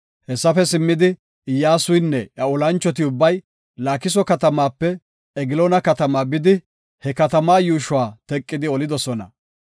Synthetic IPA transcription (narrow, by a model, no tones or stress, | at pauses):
hɛsːɐfɛsɪmːɪd̪ɪ | ɪjːaːsʊjnːɛʔɐɔlɐnt͡ʃːɔt̪̬ɪʊbːɐj | laːkɪs̬ɔkɐt̪ɐmaːpːɛ | ɛɡɪloːnɐkɐt̪ɐmaːbɪd̪ɪ | hɛkɐt̪ɐmaːjuːʃʊwaːt̪ɛkʼːɪd̪ɪɔlɪd̪ɔsɔnɐ̰